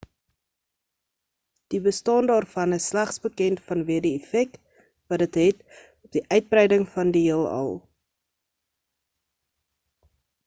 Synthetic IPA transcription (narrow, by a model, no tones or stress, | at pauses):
d̥ibəstɑːndɑːrfɐnəsːlæχsbəkɛntfɐnviədiɛfɛk̚t | vɐdətɦɛt | ɔp̚diʔœɥt̚brɛjdəŋfɐndiiəlˠɑ̰lˠ